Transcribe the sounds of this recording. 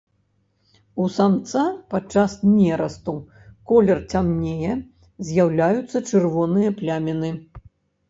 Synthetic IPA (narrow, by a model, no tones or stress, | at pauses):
usamt̪sapat͡ʂːasnʲɛɾɐst̪u | kɔlʲɛrt͡sʲamnʲejɛ | zʲjawlʲajut̪sːɐt͡ʂɨrvɔnɨjɐplʲamʲɛnɨ